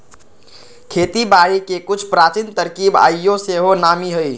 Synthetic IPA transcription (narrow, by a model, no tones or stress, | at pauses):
kʰet̪ibaɾikekut͡ʃʰpɾat͡ʃint̪əɾkiba̰jjoseɦonamiɦoj